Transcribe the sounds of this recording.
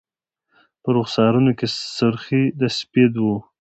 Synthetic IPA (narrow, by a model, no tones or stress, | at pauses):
pəɾʊχsɑɾunokesʊɾxid̪asped̪wu